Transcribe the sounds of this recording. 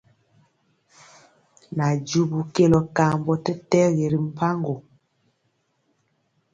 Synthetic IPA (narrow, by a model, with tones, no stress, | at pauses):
na˨d͡ʒu˦bu˨ke˦lɔ˨ka˨mbɔ˨tɛ˦tɛ˦ɣe˨ɾi˨m̩˦˨pʰa˦ŋɡo˨